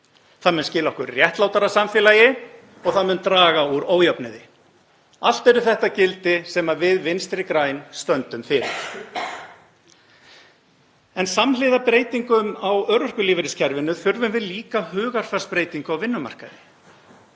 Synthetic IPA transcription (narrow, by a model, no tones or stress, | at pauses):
θaðmʏnscɪːlaɔhkʏɾrjɛht̪laːwt̪aɾasamfɪːlajɪ | ɔɣθaðmʏnt̪ɾaːɣauɾoːwjœpnɪðɪ | al̥t̪ɛɾʏθɛht̪acɪlt̪ɪsɛmavɪðvɪnst̪ɾɪkɾaːjnst̪œnt̪ʏmfɪːɾɪ̰ɾ̥ | ɛnsamlɪːðapɾeːjt̪iŋkʏmawœɾœr̥kʏliːvɪɾɪscʰɛɾvɪnːʏθʏɾvʏmvɪðliːkahʏːɣar̥fɛ̥spɾeːjt̪iŋkʏawvɪnːʏma̰r̥kaðɪ